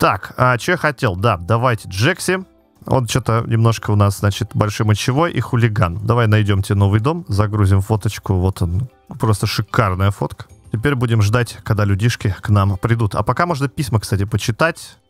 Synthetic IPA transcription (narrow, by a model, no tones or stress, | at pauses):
t̪akat͡ɕɪojaxɐtʲe̞lˠd̪ad̪ɐvajtʲɪʐɛksʲɪ | o̰nt͡ɕot̪ənʲɪmno̞ʂkəʊnasznat͡ɕɪt̪bɐlʲʂojmət͡ɕːɪvojʔixʊlʲɪɡand̪ɐvajnɐjdʲo̞mtʲɪno̞vɨjd̪o̞mzɐɡɾuzʲɪmfo̞t̪ət͡ɕkʊvo̞t̪on | pɾo̞st̪əʂɨkarnəjəfo̞t̪kə̥tʲɪpʲeɾʲbudʲɪmʐd̪atʲkɐɡ̚d̪alʲʉdʲiʂkʲɪknampɾʲɪd̪ut̪ɐ̰pɐkamo̞ʐnəpʲisʲməkst̪atʲɪpət͡ɕɪt̪atʲ